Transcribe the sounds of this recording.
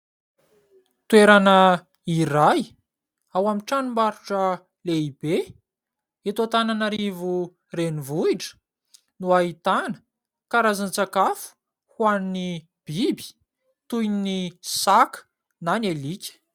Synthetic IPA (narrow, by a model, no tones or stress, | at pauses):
t̪weɾanə | iraj | awamiʈ͡ʂanimaɾuʈ͡ʂə | leib̥e | et̪at̪ananaɾivu | renivuiʈ͡ʂə̥ | nuaɦit̪anə̥ | kaɾazant͡sakafu̥ | hwanni | b̥ibi̥ | t̪ujnnisakə̥ | nanelikʲə̥